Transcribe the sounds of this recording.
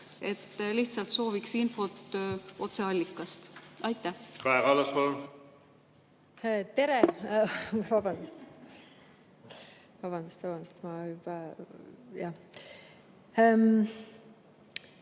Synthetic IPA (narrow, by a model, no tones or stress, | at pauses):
e̞t̪ːliht̪sɑlt̪so̞ːviksinfo̞t̪o̞t̪se̞ɑlʲːikːˑɑst̪ɑjt̪ːˑæhkɑeɡɑlːɑspol | t̪e̞ɾe | vɑbɑnd̪ust̪ | vɑb̥ɑnd̪ust̪vɑbɑnd̪u̥st̪mɑpɑ | jɑ | m